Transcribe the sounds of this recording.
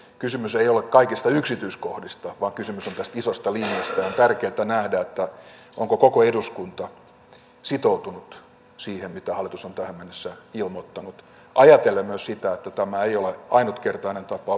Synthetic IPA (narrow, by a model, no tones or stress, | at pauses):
kysymyseiolekkɑikist̪ɑyksit̪yiskohdist̪ɑʋɑːŋkysymysont̪æst̪isost̪ɑliniɑst̪æont̪ærkeːt̪ænæhdæet̪ːæ | ʔoŋkokokoeduskunt̪ɑ | sit̪out̪unut̪ | siːhemmit̪æhɑlːˑit̪usont̪æhæmmenːesːæilmot̪ːɑnut̪ | ʔɑjɑt̪elemːmøssit̪æet̪ːæt̪æmæeijoleɑinut̪kert̪ɑinent̪ɑpɑ